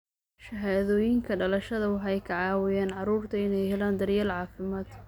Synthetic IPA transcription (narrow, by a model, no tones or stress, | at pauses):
ʃɐɦaːðɔːjɪŋkʰɐɖɐlɐʃɐðɐwɑħɑjkʰɐʕɑːwɪjaːnʕɑɾuːrt̪ʰɐɪnɛjɦɛlaːnd̪ɐrjɐːlʕɑːfɪmaːd̪